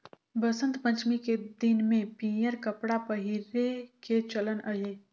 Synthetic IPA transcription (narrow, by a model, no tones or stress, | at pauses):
bəsə̃nt̪pə̃ɲt͡ʃmiked̪ɪnmẽpĩːjəɾkəpɽapəɦiɾeket͡ʃələnʔɐɦeː